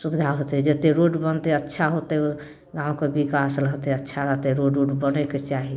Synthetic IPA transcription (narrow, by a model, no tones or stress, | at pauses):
subid̪ʱaɦot̪ɛd͡ʒet̪eɾoɖbənt̪ɛətːʃʰaɦot̪ɛ | ɡãʊ̃kebikasləɦt̪ɛətːʃʰaɾəɦt̪ɛɾoɖoɖbənɛket͡ʃaɦi